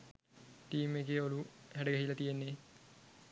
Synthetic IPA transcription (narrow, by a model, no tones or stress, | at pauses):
ʈiːmeɡeːoluhæɖəɡæɦilɐt̪ijenːe